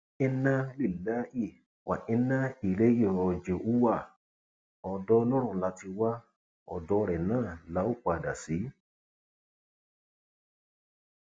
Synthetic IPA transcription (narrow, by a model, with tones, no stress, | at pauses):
ɛ˦na˦li˨lːa˦hi˦˨ | wʔa̰˨ʔɛ˧˦na˦i˨le˦ji˦˨ɔ˨d͡ʒe˨u˦wa˦˨ | ɔ˨dɔ˧lɔ˦ɾ̃ũ˧la˨˧˦ti˧wa˦ | ɔ̰˨dɔ˧˦˧ɾɛ˨nãː˦˨la˨˧˦o˦˨k͡pa˧˨da˨si˨˦